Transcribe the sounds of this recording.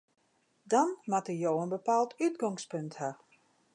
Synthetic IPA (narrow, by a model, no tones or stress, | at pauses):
dɔnmatəjowənbəpaːlˠtytɡɔŋspøntha